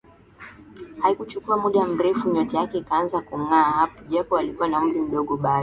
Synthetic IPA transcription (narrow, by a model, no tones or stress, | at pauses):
haikut͡ʃukuamuɗam̩ɾɛfuɲɔtɛjakɛikaanzakuŋaːhapɔʄapɔalikuwanaum̩ɾim̩ɗɔɠɔɓaa